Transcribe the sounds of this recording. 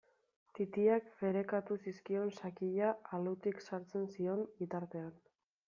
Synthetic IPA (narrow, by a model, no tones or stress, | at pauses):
t̪it̪iakfe̞ɾe̞kat̪usiskio̞nsakiʎaːlut̪iksaɾt͡se̞nsio̞mbit̪aɾt̪e̞an